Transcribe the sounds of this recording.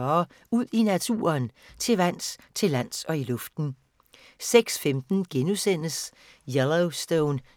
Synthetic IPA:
uð̰ˠinæt͡sʰṵːɐnt͡sʰe̝ʋæn̰st͡sʰe̝læn̰sɒ̽ilɔ̽fd̥n̩ | seɡ̥sfemd̥n̩ɡ̥enusen̰əs | jeloʊsd̥oʊn

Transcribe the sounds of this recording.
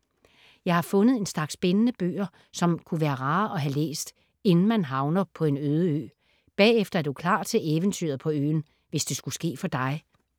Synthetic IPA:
jɑ̈ɪhɑ̈fɔ̽nəð̩ˠe̝nslɑ̈ɡ̥sb̥enənəb̥ø̰ːɐ | sɒ̽mkʰuʋæːɐʁɑ̈ːʔɒ̽ɦælḛːsd̥ | e̝nn̩mænɦɑ̈ʊnɐpʰɒ̽e̝nøːð̞ˠəø̰ː | b̥ɛ̰ːefd̥ɐæd̥ukʰlɑ̰̈ːt͡sʰe̝ʔeːʋənt͡sʰy̰ːɐð̩ˠpʰɒ̽ø̰ːn̩ | ʋesd̥e̝sɡ̥usɡ̥e̝̰ːfɒ̽d̥ɑ̈ɪ

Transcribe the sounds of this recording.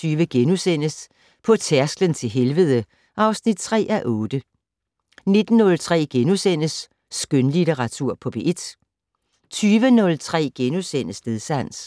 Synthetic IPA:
yːʋəɡ̥enusen̰əs | pʰɒ̽t͡sʰæɐsɡ̥lənt͡sʰe̝lɦelʋəðˠə | ʔɑ̈ʊsnid̥̚t͡sʰʁɛ̰ːʔæʔɔ̽ːd̥ə | ne̝d̥n̩ːɔ̽lt͡sʰʁɛ̰ːɡ̥enusen̰əsː | ɡ̥ønlit͡seʁɑ̈t͡sʰuɐ̰pʰɒ̽b̥e̝ʔe̝d̥ | t͡sʰyːʋənɔ̽lt͡sʰʁɛ̰ːɡ̥enusen̰əsle̝ðˠsæn̰s

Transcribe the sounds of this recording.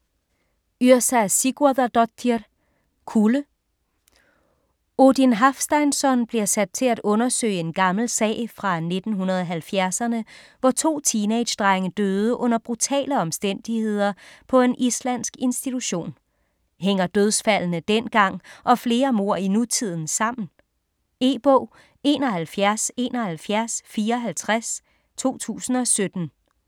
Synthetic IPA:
yɐ̰sæsiɡ̥uðˠɐd̥ɒ̥i | kʰulə | od̥inɦɑfsd̥ɑ̈ɪnsɒ̽nb̥liɐsæd̥̚t͡sʰe̝læd̥ɔ̽nɐsø̰ːɪəe̝nɡ̥ɑ̈ml̩sɛ̰ːɪfʁɑ̈ne̝d̥n̩ɦunɐð̞ˠɒɦælfjæɐsɐnəʋɒt͡sʰo̝̰ːt͡sʰiːned̥ɕd̥ʁɑ̈ŋəd̥øːð̞ˠəʔɔ̽n̰ɐb̥ʁut͡sʰɛ̰ːləɒ̽msd̥en̰d̥ihe̝ð̰ˠɐpʰɒ̽e̝nʔislæn̰sɡ̥e̝nsd̥it͡sʰuɕo̝̰ːn | ɦeŋ̰ɐd̥øð̞ˠsfæl̰nəd̥enɡ̥ɑ̈ŋ̰ʔɒ̽fle̝ːɐmo̝ɐ̰inut͡sʰið̞̰ˠn̩sɑ̈m̰n̩ | e̝ːb̥ɔʊ̰ | e̝ːnɒ̽hælfjæɐse̝ːnɒ̽hælfjæɐsfiːɐɒɦælt͡sʰʁas | t͡sʰo̝̰ːt͡sʰṵːsn̩ɒ̽sød̥n̩

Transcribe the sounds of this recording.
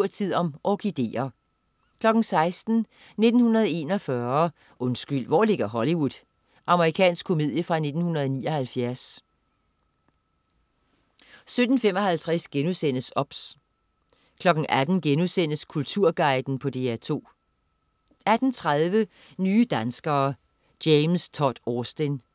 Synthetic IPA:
ɐ̰t͡sʰið̞̰ˠɒ̽mʔɒɡ̥id̥e̝̰ːɐ | kʰlɒ̽ɡ̥n̩sɑ̈ɪsd̥n̩ | ne̝d̥n̩hunɐð̞ˠe̝nɒ̽fɶɐ | ʔɔ̽nsɡ̥yl̰ʋɒ̰le̝ɡ̥ɐɦɒliʋuð̥ˠ | ʔɑ̈məʁikʰɛ̰ːnsɡ̥kʰo̝me̝ð̰ˠjəfʁɑ̈ne̝d̥n̩hunɐð̞̩ˠɒnḭːɒ̽hælfjæɐs | sød̥n̩fem̰ɒ̽hælt͡sʰʁaɛsɡ̥enusen̰əsɒ̽b̥s | kʰlɒ̽ɡ̥n̩ʔæd̥n̩ɡ̥enusen̰əskʰult͡sʰuɐ̰ɡ̥ɑ̈ɪd̥n̩pʰɒ̽d̥e̝̰ːæt͡sʰo̝̰ː | æd̥n̩t͡sʰʁað̞ˠʋə | nyːd̥ænsɡ̥ɐː | d̥eɪmst͡sʰɒd̥ɒːsd̥en

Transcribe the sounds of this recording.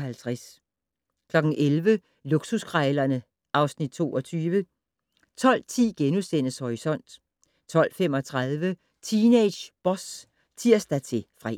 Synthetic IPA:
hælt͡sʰʁas | kʰlɒ̽ɡ̥n̩ʔelʋə | luɡ̥susɡ̥ʰʁaɪlɐnə | ʔɑ̈ʊsnid̥̚t͡sʰo̝ːɒ̽t͡sʰyːʋə | t͡sʰɒ̽l̰t͡sʰḭːɡ̥enusen̰əshɒʁisɒ̽n̰d̥ | t͡sʰɒ̽l̰femɒ̽t͡sʰʁaðˠʋə | t͡sʰine̥ɕb̥ɒ̽s | t͡sʰiɐ̰sd̥æt͡sʰe̝fʁa

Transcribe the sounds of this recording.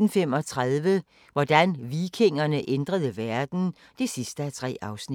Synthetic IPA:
n̩femɒ̽t͡sʰʁaðˠʋə | ʋɒd̥ænʋiːkʰe̝ŋ̰ɐnəʔend̥ʁɐð̞ˠəʋæɐd̥n̩ | d̥e̝sisd̥əæt͡sʰʁɛ̰ːɑ̈ʊsni

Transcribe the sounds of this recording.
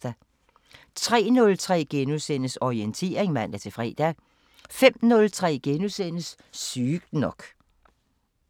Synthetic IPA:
d̥æ | t͡sʰʁɛ̰ːnɔ̽lt͡sʰʁɛ̰ːɡ̥enusen̰əsɒient͡sʰe̝̰ːɐeŋmæn̰æɐt͡sʰe̝fʁɛ̰ːd̥æ | fem̰nɔ̽lt͡sʰʁɛ̰ːɡ̥enusenəsː | yːɡ̥nɒ̽ɡ̥

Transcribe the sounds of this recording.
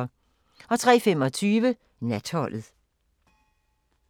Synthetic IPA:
ɒ̽t͡sʰʁɛ̰ːfemɒ̽t͡sʰyːʋə | næd̥hɒ̽l̰ð̩ˠ

